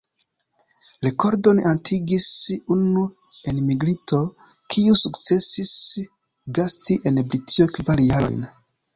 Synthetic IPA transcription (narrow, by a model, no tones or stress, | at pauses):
leko̞ɾdo̞nantʰiɡisunu | enmiɡɾito̞ | kʰiusukt͡se̞sis | ɡastiʔenbɾitʰiokvaɾjaɾo̞̰jn